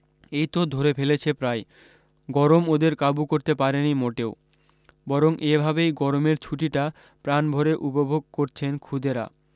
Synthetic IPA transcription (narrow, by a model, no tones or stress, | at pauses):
ejt̪od̪ʱoɾepʰelet͡ɕʰepɾae | ɡɔɾomod̪eɾkabukoɾt̪epaɾenimoʈeo | bɔɾoŋʔebʱabejɡɔɾomeɾt͡ɕʰuʈiʈa | pɾanbʱoɾeʔupobʱoɡ̚koɾt͡ɕʰenkʰud̪eɾa̰